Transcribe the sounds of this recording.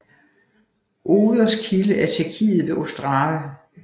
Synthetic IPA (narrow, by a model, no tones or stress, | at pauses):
ʔoːðˠɐskʰiləʔæɐt͡sʰeɐkʰḭːð̞̩ˠʋe̝ʔo̝sd̥ʁɑ̈ːʋə